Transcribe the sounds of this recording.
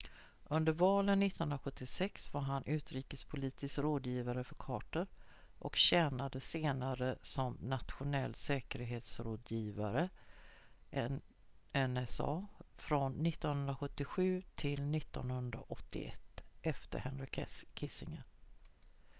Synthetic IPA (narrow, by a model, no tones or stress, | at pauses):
ʔɵnd̪əɾvɑːlənːɪt̪ːnɵnɾaɧɵt̪ːɪsɛksvaɾɦanʔʉ̟ːt̪ɾiːkəspʰʊliːt̪ɪskɾoːd̪jiːvaɾəfœɾkʰɑːʈəɾ | ʔɔkɕɛːnad̪əseːnaɾəsɔmnat̪ɧʊnɛlːsɛːkəɾɦeːt̪sɾoːd̪jiːva̰ɾə | ɛnɛsɑ̰ːfɾɔnːɪt̪ːɔnhɵnɾaɧɵt̪ːɪɧʉ̟ːt̪ʰɪlnɪt̪ːɔ̰nhɵnd̪ɾa̰ʔɔt̪ːɪ̰ɛ̰t̪ːʔɛft̪ə̰ɾhɛnɾɪkʰkʰɪsɪŋən